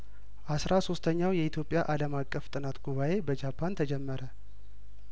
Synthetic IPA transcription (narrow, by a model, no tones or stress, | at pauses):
ʔasɾaso̞st̪ʰəɲːawjɛit̪ʰjo̞pʼjaʔaləmakʼːəft̪ʼɨnat̪ɡuβaʔe̞bəd͡ʒapʰːant̪ʰəd͡ʒɛmːəɾə